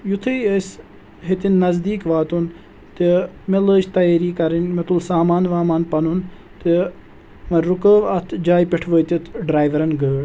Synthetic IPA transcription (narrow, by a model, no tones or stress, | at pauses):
jut̪ʰɨjəs | ɦet̪inːɐzd̪iːkʋaːt̪un | t̪imeləːt͡ʃt̪ɐjeːɾiːkɐɾinmet̪ulsaːmaːnʋaːmaːnpɐnun | t̪i | mɐɾukəːʋɐt̪ʰd͡ʒaːjpeʈʰʋəːt̪it̪ʰɖɾaːjʋɐɾɐnɡəːɽ